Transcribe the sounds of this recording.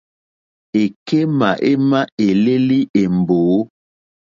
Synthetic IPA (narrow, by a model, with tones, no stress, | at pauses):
e˨ke˦ma˨ʔe˦ma˦e˨le˦li˦ʔe˨m˨boː˨˦